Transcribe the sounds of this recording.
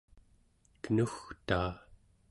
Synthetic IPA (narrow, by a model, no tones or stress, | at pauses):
kənuxt̪aː